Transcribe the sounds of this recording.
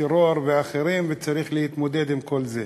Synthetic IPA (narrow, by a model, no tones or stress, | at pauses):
ɛɾoɾvɪaχeɾimvɪt͡saɾiχlehit̪mɔd̪ɛd̪ɪmkʰolzɛ